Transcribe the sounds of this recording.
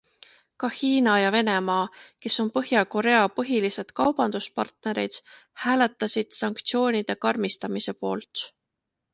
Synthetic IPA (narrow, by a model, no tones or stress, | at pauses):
kɑhiːnɑjɑve̞ne̞mɑːke̞so̞npɤɦjɑko̞ɾe̞ɑpɤɦilise̞d̪̥kɑwb̥ɑnd̪̥uspɑ̰rt̪ne̞ɾḭd̪̥hæːle̞t̪ˑːɑsid̪̥sɑŋkt̪sio̞ːnʲid̪̥e̞kɑrmist̪ɑmise̞po̞ːlt̪